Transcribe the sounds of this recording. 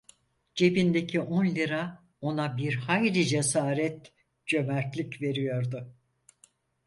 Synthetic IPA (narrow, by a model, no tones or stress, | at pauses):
d͡ʒe̞bind̪ecʰiʔonlʲiɾa | o̞nabiɾhajɾid͡ʒesaːɾɛt̪ | d͡ʒø̞mæɾt̪lʲicve̞ɾijo̞ɾd̪ʊ